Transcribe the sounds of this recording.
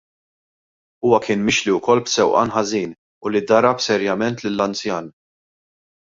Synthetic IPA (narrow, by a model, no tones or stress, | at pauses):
uːwɐkɪːnmɪʃliʊkɔlːbsɛwʔɐ̰nħɐziːn | ʊlid̪ɐɾɐpsɛɾjɐmɛnt̪lɪlːɐnt͡sjɐːn